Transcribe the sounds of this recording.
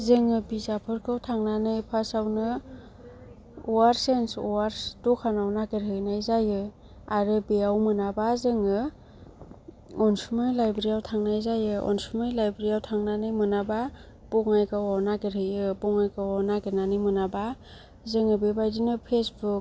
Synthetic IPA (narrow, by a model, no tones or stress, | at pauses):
zɯŋɯbizapʰɯɾkʰɯwtʰaŋnanɯjpʰasawnɯ | ɔwaɾsensɔwaɾtɔkʰanawnaɡeɾɦɯjnajzajɯ | aɾɯbeawmɯnabazɯŋɯ | ɔnsumɯjlajbeɾiawtʰaŋnajzajɯɔ̰nsumɯjlajbɾiawtʰaŋnanɯjmɯnaba | pɔŋajkɯwawnakeɾɯjɯbɔŋajkɯanaɡenanɯjmɯnaba | zɯŋɯbebajdinɯpʰesbuk